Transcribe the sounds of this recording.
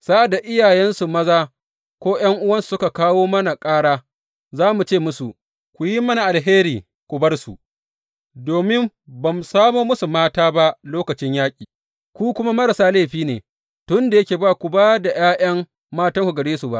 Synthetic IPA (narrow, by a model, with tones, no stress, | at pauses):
sa˦ʔa˨da˨ʔɪ˦jaː˨jɛ˦nsu˨mɐ˦zaː˦ | kʷoː˦j̰ɐ˦ŋʔʊ˦wɐ˦nsu̥˨sʊ˦ka˨kaː˦woː˦mɐ˦na˨kʼaː˦ɽaː˦ | zaː˦mu˨t͡ʃeː˦˨mʊ˦su˨ʔ | kʷu˨ji˦mɐ˦na˨ʔa˨lɦeː˦ɾiː˨ | kʷʊ˨bɐ˦rsṵ˨ʔ | doː˨mɪ˦m | bɐ˨msaː˦moː˦mʊ˦su˨maː˦taː˦ba˦ʔloː˦kɐ˨t͡ʃɪ˦ɲjaː˦kʲʼiː˨ | kʷu˦kʷʊ˦ma˦mɐ˦ɾa˨saː˦le˦˨ɸiː˦nḛː˨ | tʊ˦nda˨jɐ˦kʲeː˨baː˦kʷu˨baː˦da˨jaː˦j̰ɐ˦mː | aː˦tɐ˦ŋkʷu˨ɡɐ˨ɽeː˦su˨ba̰˦ʔ